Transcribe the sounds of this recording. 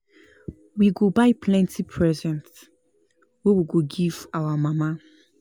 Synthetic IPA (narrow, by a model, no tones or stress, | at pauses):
wiɡobaɪpʰlɛ̃ntipʰɹɛzɛ̃nt | wewiɡoɡiv̥awamama